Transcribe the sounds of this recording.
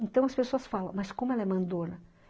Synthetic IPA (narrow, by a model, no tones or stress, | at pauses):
ẽnt̪ɐ̃w̃ɐspesoɐsfalɐ̃w̃mɐskõmʊɛlɐɛmɐ̃nd̪õnɐ